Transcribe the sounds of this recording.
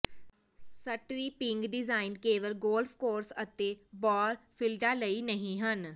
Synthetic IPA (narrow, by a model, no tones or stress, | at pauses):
səʈɾiːpɪ̃ŋɡɖɪzaːɪnkeːʋəlɡoːlpʰkoːɾsət̪eːbɔːlpʰɪlɖaːləiːnəɦĩːɦən